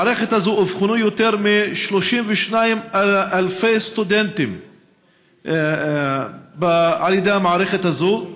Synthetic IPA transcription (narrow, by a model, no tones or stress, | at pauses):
ʕɾexet̪azuʔofxʊnujot̪eɾmiʃloʃimvɪʃnajmaʔalfejst̪ud̪ent̪ɪm | bʕalid̪amaʕɾexet̪azuːʔ